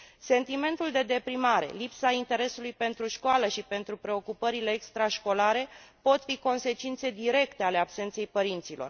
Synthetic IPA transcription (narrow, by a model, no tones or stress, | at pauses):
se̞nt̪ime̞nt̪uld̪e̞d̪e̞pɾimaɾe̞̰lipsaint̪e̞ɾe̞sulujpe̞nt̪ɾuʃkoaləʃipe̞nt̪ɾupɾe̞o̞kupəɾile̞ːkst̪ɾaʃko̞laɾe̞po̞t̪fiko̞nse̞t͡ʃint̪se̞d̪iɾe̞kt̪e̞ale̞abse̞nt̪se̞jpəɾint̪silo̞r